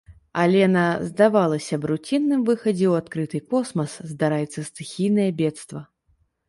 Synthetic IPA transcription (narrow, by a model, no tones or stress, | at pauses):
alʲɛnazd̪avalˠɐsʲɐbɾut͡sʲinːɨmvɨxɐd͡zʲɛwat̪kɾɨt̪ɨkɔsmɐszd̪aɾajɛt̪sːɐst̪ɨxʲijnɐjɐbʲɛt̪st̪vɐ